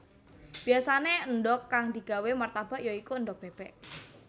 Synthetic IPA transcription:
b̥iasaneənɖɔkːaŋd̪̥i̤ɡ̥a̤wemart̪ab̥a̤ʔjaikuəndɔk̚b̥eb̥ɛʔ

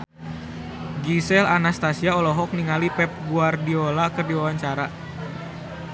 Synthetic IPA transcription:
ɡisɛlanast̪asiaɔlɔɦɔk̚niŋalipɛp̚ɡuardiolakərdiwawaɲt͡ʃaɾa

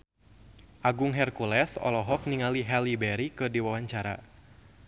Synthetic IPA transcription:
ʔaɡʊŋɦɛrkulɛsɔ̰lɔɦɔk̚niŋaliɦɛlibɛɾikɨdiwawaɲt͡ʃaɾa̰

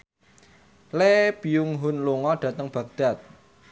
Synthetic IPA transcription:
leb̥ijuŋɦʊnluŋɔd̥ä̤t̪əŋb̥ä̤k̚d̪̥a̤t̪̚

